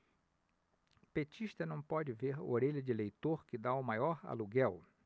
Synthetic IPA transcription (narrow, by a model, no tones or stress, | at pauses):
pet͡ʃiʃt̪ɐnɐ̃w̃pɔd͡ʒɪveɾo̰ɾeʎɐd͡ʒɪlejt̪oɾkɪd̪aʊmajɔɾa̰luɡɛw